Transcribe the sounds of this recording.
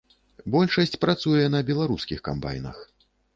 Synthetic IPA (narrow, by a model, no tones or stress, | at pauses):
bɔlʲʂɐsʲt͡sʲpɾat̪sujɛnɐbʲɛlˠaɾuskʲixka̰mba̰jnɐ̰x